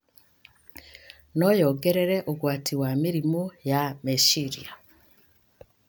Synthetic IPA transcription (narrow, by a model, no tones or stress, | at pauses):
nɔjɔɡɛɾɛɾɛʔoɡwatiwamiɾimojameʃiɾḭa